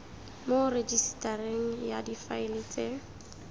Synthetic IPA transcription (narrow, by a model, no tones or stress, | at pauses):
mored͡ʒistareŋ̩jadifaɪlet͡sʼe